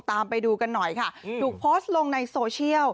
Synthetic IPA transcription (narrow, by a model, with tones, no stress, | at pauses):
t̪aː˧mpa˧jduː˧ka˧nːɔ˨˩jkʰa˥˩t̪ʰuː˨˩k̚pʰoː˦˥st̪̚lo˧ŋna˧jsoː˧t͡ɕʰi˥˩əw